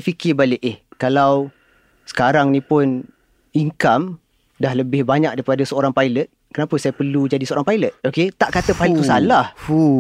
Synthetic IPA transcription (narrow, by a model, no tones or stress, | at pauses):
fikɪbalɪʔɪhkalaw | sə̥kaɾaŋnĩpʊn | iŋkam | dahləbɪhbaɲak̚daipadasəoɾaŋpajlət̪̚kənapəsajapərlud͡ʒadisəoɾaŋpajlət̪̚oket̪aʔkat̪əpajlət̪t̪ːusalahu